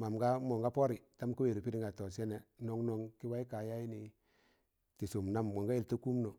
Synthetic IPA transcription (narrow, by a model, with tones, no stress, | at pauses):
ma˨mɡa˦mo˨ŋɡa˦po˦ɾi˨ta˦m˦ku˦we˨ɾi˨pi˦ɾi˦ŋɡa˨to˨s̬e˦ne˨no˨ŋno˦ŋki˦wa˦i˦ka˨ja˦i˦ni˨ | ti˨su˨mna˦mɡo˨ŋɡa˦i˨lta˦ku˦mno˨